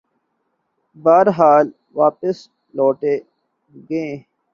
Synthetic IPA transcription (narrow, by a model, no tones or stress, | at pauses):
baːɾɦaːl | ʋaːpəs | loːʈeː | ɡẽː